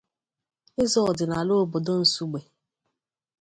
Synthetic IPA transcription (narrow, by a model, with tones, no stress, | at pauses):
ɪ˦zɔ˦˨dɪ˨na˨lo˦bo˨do˦n̩˨su˦ɡ͡be˨